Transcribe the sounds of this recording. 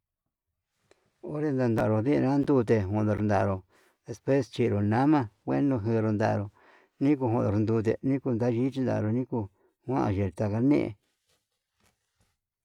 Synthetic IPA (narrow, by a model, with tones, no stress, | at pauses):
o˦ɾe˧nd̪a˧nd̪a˧˨ɾo˨ðĩ˦ʔã˧a˦nd̪u˦t̪̬e˧ɦã˧˨˧d̪o˧ɾnd̪a˨˧ɾo˧ | ðe˧spwe˦st͡ʃi˧ɾo˨nã˨˦mã˧kʷḛ˦nõ˧ɦɨ˧ɾo˧nd̪a̰˨˧ɾo˧ | nĩ˦k̬u˧ɦʷõ˧˨d̪o˨ɾnd̪u˧t̪̬ḛ˧˨nĩ˦ku˧nd̪a˦ʒi˦t͡ʃi˧nd̪a̰˧ʔɾo˧nĩ˦ku˧ | hʷã̰˦ʔã̰˧ʒe˧˨ɾt̪a˧ka˧˦nḛ̃˦ʔḛ̃˧